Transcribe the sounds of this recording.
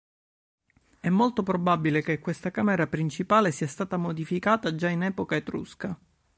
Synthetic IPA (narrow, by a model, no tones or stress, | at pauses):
ɛmːolt̪opɾobabilekekːwest̪akaːmeɾapɾint͡ʃipaːlesiast̪aːt̪amod̪ifikaːt̪ad͡ʒainɛːpokaet̪ɾṵska